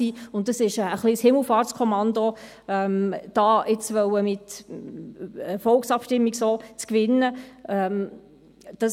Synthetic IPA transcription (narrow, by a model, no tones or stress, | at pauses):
siːʊnt̚d̥ɑsɪʃəəχlishɪml̩ˠfɑːt͡skʰɔmɑndo | ɛmd̥ɑːʔɪt͡sʋœwəmɪt | əfɔlksɑpʃtɪmːiɡsoːt͡skvɪnːəɛm | d̥ɑ